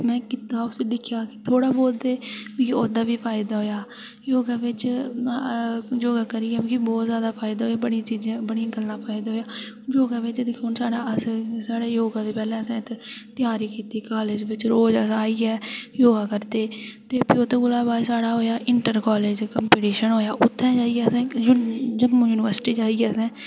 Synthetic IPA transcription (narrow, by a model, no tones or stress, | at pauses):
mɛ̃ːkɪt̪aːʊsed̪ɪkʰɪjaːkɪ̥t̪ʰoːɽaːboːld̪eːmːkioːd̪aːʋiːpʰaːɪd̪aːɦoːjaː | joːɡaːʋɪt͡ʃ | d͡ʒoːɡaːkəɾiːɛːmĩːkibɔːt̪zjaːd̪aːpʰaːɪd̪aːɦoːjaːbəɽit͡ʃiːzẽːbəɽĩɡəlnaːpʰaːɪd̪aːɦoːjaː | joːɡaːʋɪt͡ʃd̪ɪkʰʊnsaːɽaːəssaːɽeːjoːɡãːd̪eːpɛːlɛ̃ːəsãːɪt̪t̪ɪjaːɾiːkiːt̪iːkaːleːd͡ʒʋɪt͡ʃɾoːd͡ʒəsaːiːɛːjoːɡaːkəɾd̪eːt̪eːpʰɪoːt̪ẽːɡʊlaːbaːsaːɽaːɦoːjaːʔɪɳʈəɾkaːleːd͡ʒkəmpiːʈiːʃənɦoːjaːʔʊt̪ʰːɛ̃ːd͡ʒaːiɛːəsɛ̃ːjd͡ʒəmːjuːnɪʋəɾsɪ̥ʈiːd͡ʒaːiɛːsɛ̃ː